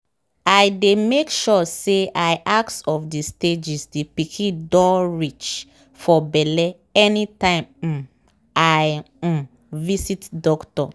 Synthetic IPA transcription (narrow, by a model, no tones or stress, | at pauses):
ajdemekʃɔseʔaɪʔaksɔfdisted͡ʒisdipikʰĩdɔɹit͡ʃ | fɔbɛlɛ | ɛnitãɪ̃m̩ | aj̩ | visitdɔktɔ